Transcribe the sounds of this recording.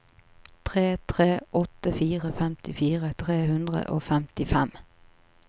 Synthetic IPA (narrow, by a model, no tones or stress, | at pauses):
t̪ʰʁeːt̪ʰʁeːʔɔt̪əfiːʁəfɛmt̪ɪfiːʁət̪ʰʁeːhʉnd̪ʁə̰ʔo̰ːfɛmt̪ɪfɛm